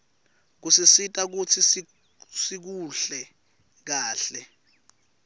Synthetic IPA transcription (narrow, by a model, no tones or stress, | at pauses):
k̬usisitʼak̬ut͡sʰis | sik̬uɬɛ | k̬aːɬɛ